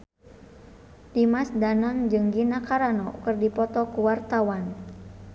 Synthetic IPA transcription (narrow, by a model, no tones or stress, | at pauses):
dimasdanaŋd͡ʒɨŋɡinakaɾanɔkɨrdipɔt̪ɔkuwart̪awan